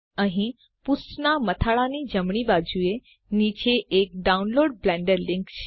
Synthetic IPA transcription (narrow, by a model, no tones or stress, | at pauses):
ə̃ɦĩ | pusnamət̪ʰaɭanid͡ʑəmɳibad͡ʑue | nit͡ɕeek̚ɖaunloːɽ̚blɛ̃ɳɖəɾlɪ̃ŋkt͡ɕ